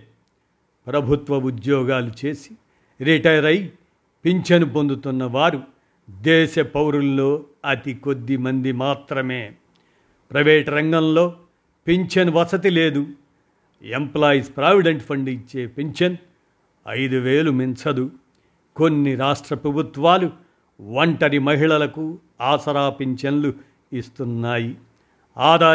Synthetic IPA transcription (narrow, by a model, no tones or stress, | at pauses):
pɾɐbʱut̪ʋɐud̪jɔːɡaːlut͡ʃeːsi̥ | ɾiʈɐjɐɾɐj | peɲt͡ʃɐnpo̞nd̪ut̪unːɐʋaːɾu | d̪ɛːʃɐpɐwɾunlo̞ːɐt̪iko̞d̪ːimɐnd̪imaːt̪ɾɐmeː | pɾɐʋeːʈɾɐŋɡɐmlo̞ː | peɲt͡ʃɐnʋɐt͡ʃɐt̪̬ile̞ːd̪u | emplaːjspɾaːʋiɖeɳʈpʰɐɳɖit͡ʃːe̞ːpeɲt͡ʃɐn | ɐ̰jd̪uʋeːlumint͡ʃɐd̪u | ko̞nːiɾaːʂʈɾɐpɾɐbʱut̪ʋaːlu | ʋɐɳʈɐɾimɐɦiɭɐlɐku | aːsɐɾaːpeɲt͡ʃɐnlu | ist̪unːaːji | aːd̪aː